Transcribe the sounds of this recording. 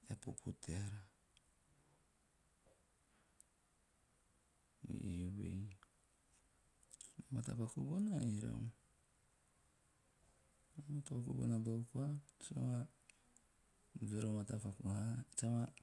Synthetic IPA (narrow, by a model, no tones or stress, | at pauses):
apopʰutʰeaɾa | ḭjuβḛj | matapakubonaiɾo̰ | matokṵbo̰naboukuat͡ʃama | veɾomatapakuhat͡ʃama